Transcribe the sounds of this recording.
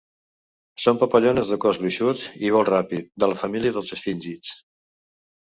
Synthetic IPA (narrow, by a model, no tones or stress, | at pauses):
sompəpəʎonəzðəkɔzɣliʃut̪iβɔlˠrapit̪̚d̪ələfəmiliəðəlˠzəsfinʲʒit͡s